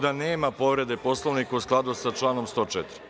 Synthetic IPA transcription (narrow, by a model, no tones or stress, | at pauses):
d̪aneːmapo̞ʋɾe̞d̪e̞po̞slˠoʋnikausklˠad̪usat͡ʃlˠaːno̞mst̪o̞ːt͡ʃɛt̪ɾi